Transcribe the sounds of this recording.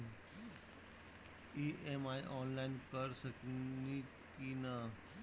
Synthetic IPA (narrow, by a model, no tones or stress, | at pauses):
iʔemaːjʔɔːnlaɪnkəɾsəkni | kinə